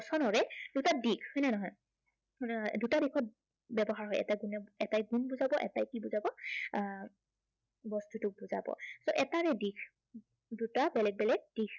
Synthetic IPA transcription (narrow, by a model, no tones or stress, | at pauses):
sɔnɔɹɛd̥utadikʰhɔjnɛnɔɦɔj | dutadikʰɔt̚ | bɛbɔɦaɹɦɔjɛ̰tajɡunɛɛtajɡunbuzabɔʔɛ̰tajkibuzabɔ | bɔstutʊk̚buza̰bɔ̰soʔɛtaɹɛdikʰ | dutabɛlɛɡ̚bɛlɛɡ̚dikʰ